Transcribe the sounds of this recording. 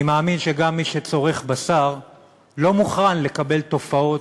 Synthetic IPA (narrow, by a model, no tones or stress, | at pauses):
imaːminʃe̞ɡamːiʃet͡so̞ʁe̞χbasaʁ | lo̞muχanle̞kabe̞lt̪o̞fao̞